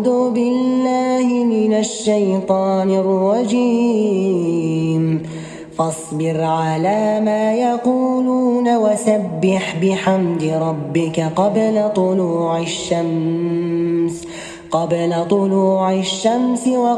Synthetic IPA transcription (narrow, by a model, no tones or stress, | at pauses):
d̪uːbɪlːaːhɪmɪnaʃːajt̪ˤɑːnɪrˤːɑd͡ʒiː | m | fɑsˤbɪɾʕalaːmaːjaquːluːnawasabːɪħbɪħamd̪ɪɾˤɑbːɪkaqɑblat̪ˤʊluːʕɪʃːam | s | qɑblat̪ˤʊluːʕaʃːamsɪwɑ